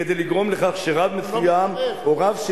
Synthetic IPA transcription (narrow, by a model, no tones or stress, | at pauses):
ed̪ejliɡʁo̞mleχaχʃeʁavmefujamoʁavʃ